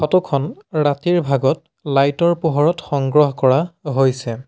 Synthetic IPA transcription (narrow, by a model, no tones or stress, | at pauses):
xɔtɔkʰɔnɹatiɹbʱaɡɔt | lajtɔɹpuɦɔɹɔtxɔŋɡɹɔɦkɔɹaɦojsɛ